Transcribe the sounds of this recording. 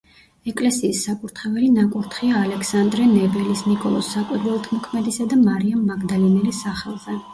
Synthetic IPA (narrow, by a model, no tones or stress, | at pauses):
ɛkʼlɛsiːsːapʼuɾt̪ʰχɛvɛlinakʼuɾt̪ʰχiaːlɛkʰsand̪ɾɛnɛbɛlisnikʼɔ̰lˠɔsːakʼwiɾvɛlˠt̪ʰmɔkʰmɛd̪isad̪amaɾiamːaɡd̪alinɛlisaχɛlˠzɛ